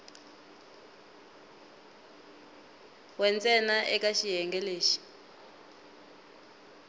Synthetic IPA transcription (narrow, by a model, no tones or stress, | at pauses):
wɛnt͡sʼɛnaʔɛk̬ʼaʃiɦɛŋɡɛleːʃi̥